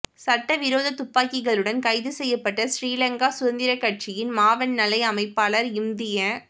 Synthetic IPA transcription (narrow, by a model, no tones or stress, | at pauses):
sɐʈːɐʋɪɾoːðɐt̪ʊpːaːkːɪɣɐɭɯɽɐnkɐɪðɯsɛjːɐpːɐʈːɐsɾiːlɐŋɡaːsʊðɐnd̪ɪɾɐkːɐʈ̚t͡ʃɪjɪnmaːʋɐnnɐlɐɪɐmɐɪpːaːlɐɾɪmd̪ɪjɐ